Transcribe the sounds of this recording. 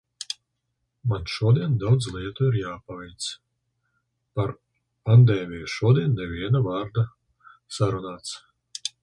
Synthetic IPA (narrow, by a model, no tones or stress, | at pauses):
manʃuɔd̪iɛnd̪awd̪zlˠiɛt̪uiɾjaːpavʲɛjt̪s | paɾ | pand̪ɛːmʲijuʃuɔd̪iɛnːɛvʲiɛnavaːɾd̪a | saɾunaːt̪s